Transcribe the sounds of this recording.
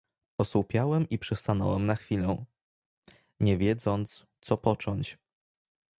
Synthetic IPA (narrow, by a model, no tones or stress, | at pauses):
ɔswupʲjawɛmipʂɛst̪anɔ̰wɛmnaxfʲilɛw̃ | ɲɛvʲjɛd̪zɔnt̪st̪sɔpɔt͡ʂɔɲt͡ɕ